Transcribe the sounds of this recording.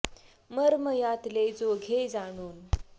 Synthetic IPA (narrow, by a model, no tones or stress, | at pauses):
məɾməjat̪led͡zoɡʱed͡zaɽ̃uːn